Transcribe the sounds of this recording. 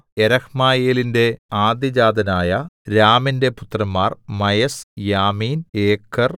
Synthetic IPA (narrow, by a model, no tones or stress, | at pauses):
eɾɐhmaːjeːlinde̞aːd̪id͡ʑaːd̪ɐnaːjɐɾaːminde̞put̪ːrɐmːaːrmɐjɐsjaːmiːneːkʰːɐr